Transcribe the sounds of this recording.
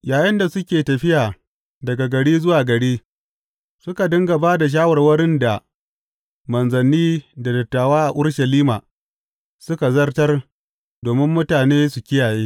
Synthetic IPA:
jaː˨jɪ˦nda˨sʊ˦kʲeː˨tɐ˨ɸɪ˦jaː˨ | dɐ˨ɡa˨ɡɐ˨ɽiː˦zʊ˦waː˨ɡɐ˨ɽiː˦ | sʊ˦ka˨dɐ˦ŋɡɐ˨baː˦da˨ʃ̬aː˦wɐ˨rwɐ˦ɽɪ˦nda˨ | mɐ˨nzɐ˨nːiː˦da˨dɐ˨tːaː˨waː˦ʔa˨ʔʊ˦ɽʃɐ˨liː˦maː˨ | sʊ˦ka˨zɐ˦rtɐ˦r | doː˨mɪ˦mːʊ˦taː˨neː˦su˨kʲɪ˦jaː˨jeː˦

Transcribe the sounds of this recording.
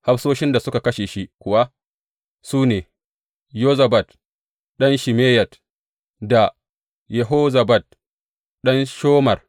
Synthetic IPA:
ha˦ɸsoː˦ʃɪ˦nda˨sʊ˦ka˨kɐ˦ʃeː˨ʃi˦kʷʊ˨wa˦ | suː˦neː˨ | joː˦zɐ˨bɐ˨t | ɗɐ˦nʃɪ˨meː˦jɐ˨t | da˨ | jɛ˨ɦoː˦zɐ˨bɐ˨t̚ | ɗɐ˦nʃoː˦mɐ˨r

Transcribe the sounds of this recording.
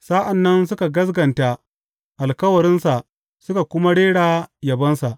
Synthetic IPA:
saː˦ʔa˨nːɐ˦nsʊ˦ka˨ɡɐ˦s̬ɡɐ˨nta˦ | ʔa˨lkɐ˦wɐ˨ɽɪ˦nsa˨ʔ | sʊ˦ka˨kʷʊ˦ma˦ɽeː˦ɽaː˨jɐ˨bɐ˦nsa˨ʔ

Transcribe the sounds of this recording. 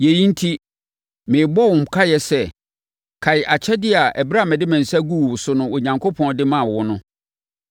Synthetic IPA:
je˨ji˦n̩˦tʰi˦ | mɪ̃˨bɔ˦˨wʊ̃˨m̩˨kʰa˦jɛ˨sɛ˦ | kʰa˨jɪ˨ʔa˨t͡ɕʰɛ˦dɪ˦a˨ʔɛ˨bɾa˦˨mɪ̃˨dɪ˦mæ̃˨n̩˨sæ˦ɡu˦wʊ˨sʊ˦nʊ̃˦o˨ɲã˨ŋkʰo˦pʰɔ̃˦ndɪ˦mã˦˨wʊ˦nʊ̃˦

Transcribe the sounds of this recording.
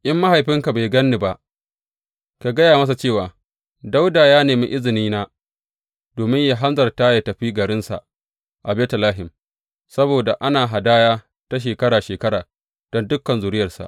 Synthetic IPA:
ʔɪ˦mːa˦ɦa˨jɸɪ˦ŋka˨ba˨jɡɐ˦nːi˨ba˦ʔ | ka˨ɡɐ˦jaː˨mɐ˦s̬a˨t͡ʃeː˦˨waː˨ | da˦wdaː˨jaː˦neː˨mḭ˦ʔɪ˦zɪ˨niː˦na˦ | d̥oː˨mɪ˦ɲja˦˨ɦa˦nzɐ˨rtaː˦ja˨tɐ˨ɸiː˦ɡɐ˨ɾɪ˦nsa̰˨ʔ | ʔa˨bɛː˦tɐ˨laː˦ɦɪ˨m | sɐ˦boː˨da˨ʔa˦naː˨ɦa˨daː˦jaː˦ | ta˦ʃ̬eː˨kɐ˦ɾaː˨ʃeː˨kɐ˦ɾaː˨ | d̥ɔ˦ndʊ˦kːɐ˨nzʊ˨ɾɪ˦jɐ˨rsa̰˨ʔ

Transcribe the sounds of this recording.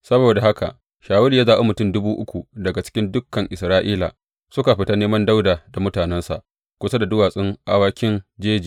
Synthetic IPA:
sɐ˦boː˨da˨ɦa˦ka̰˨ʔ | ʃaː˨wʊ˦lja˦zaː˨ʔe˦mʊ˨tʊ˦mdʊ˦buː˦ʔʊ̰˦kʷu˨dɐ˨ɡa˨t͡ʃɪ̥˦kʲɪ˦ndʊ˦kːɐ˨ŋʔɪ˨sɾaː˦ʔiː˦la̰˨ | sʊ˦ka˨ɸɪ˨˦ta˦neː˦mɐ˦nda˦wdaː˨da˨mʊ˦taː˨nɛ˦nsa̰˨ʔ | kʷʊ˦sa˦da˨dʊ˦waː˨sʼɪ˦ŋʔa˦waː˦kʲɪ˦nd͡ʒeː˦d͡ʒiː˨

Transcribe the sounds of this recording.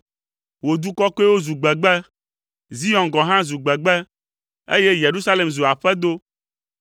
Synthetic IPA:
wo˨d̪u˦kɔ˦ko˦ɛ˦wo˦zu˨ɡ͡bɛ˨ɡ͡bɛ˦ | zi˦ɔ̃˨nɡɔ̃˨ɦã˦zu˨ɡ͡bɛ˨ɡ͡bɛ˦ | ḛ˦je˦je˨ɾu˦sa˦le˨mzu˨a˨ɸɛ˦d̪o˦

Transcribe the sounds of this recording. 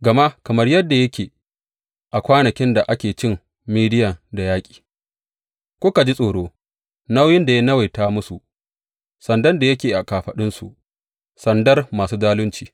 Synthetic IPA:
ɡɐ˨ma˦ʔkɐ˨mɐ˦rjɐ˦dːa˨jɐ˦kʲeː˨ | ʔa˨kʷaː˦nɐ˨kʲɪ˦nda˨ʔa˦kʲeː˨t͡ʃɪ˦m | miː˦dɪ˦jɐ˨da˨jaː˦kʲʼi̥ː˨ | kʷʊ˦ka˨d͡ʒi˦sʼoː˨ɽoː˦ | na˦wjɪ˦nda˨ja˦nɐ˦wa˨jtaː˦mʊ˦su˨ | sɐ˨ndɐ˦nda˨jɐ˦kʲeː˨ʔa˨kaː˨ɸɐ˨ɗɪ˦nsṵ˨ʔ | sɐ˨ndɐ˦rmaː˨suː˦daː˦lʊ˦nt͡ʃiː˨

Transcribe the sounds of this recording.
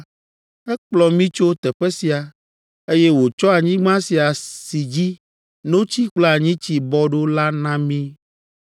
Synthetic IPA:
ɛ˦k͡plɔ˨mĩ˦t͡ʃo˦t̪ɛ˨ɸɛ˦si˨a˨ | e˦je˦wo˨t͡ʃɔ˦a˨ɲĩ˦ɡ͡bã˦si˨a˨si˨d͡ʑi˦ | nõ˦t͡ɕi˦k͡plɔ˦a˨ɲĩ˦t͡ɕi˨bɔ˦ɖo˦la˦nã˦mĩ˦

